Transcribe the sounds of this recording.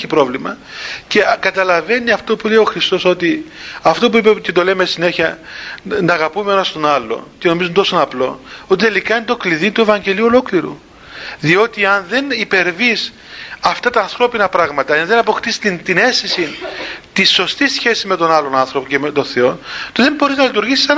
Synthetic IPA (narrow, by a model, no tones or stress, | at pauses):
eçipɾo̞vlimɐce̞kɐt̪ɐlɐve̞niɐft̪o̞pule̞io̞xɾist̪oso̞t̪iɐft̪o̞p̬uipecet̪o̞lemesine̞çiɐ | nɐːɣɐpumeenɐst̪o̞nɐlːo̞̰ceno̞mizunt̪o̞sonɐplo̞ot̪it̪e̞likɐint̪o̞kliðint̪uevɐɲɟe̞lio̞lo̞kliɾṵ | ðio̞t̪iɐnðe̞nipe̞ɾvis | ɐft̪ɐt̪ɐːnθɾo̞pinɐpɾɐɣmɐt̪ɐnðe̞nɐpo̞xt̪ist̪int̪ine̞st̪isint̪isːo̞st̪isçe̞sizme̞t̪o̞nɐlo̞nɐnθɾo̞pocemet̪o̞nθe̞o̞nt̪uðembo̞ɾiznɐlit̪uɾʝisi̥sɐn